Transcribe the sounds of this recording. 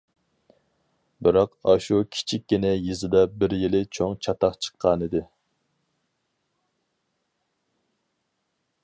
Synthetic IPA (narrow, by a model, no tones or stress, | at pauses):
bɪɾɑqɑʃukʲʰi̥t͡ʃʰik̚ʲɡʲinɛjizɨd̪ɑbɪɾjilɪt͡ʃʰoŋt͡ʃʰɑt̪ʰɑqt͡ʃʰə̥qʰːɑːnɨd̪ɪ